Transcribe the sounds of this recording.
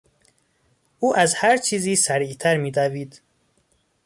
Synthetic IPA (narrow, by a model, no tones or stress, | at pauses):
ʔuːʔazhæɾt͡ʃʰiːziːsæɾit̪ʰaɾmid̪aviːd̪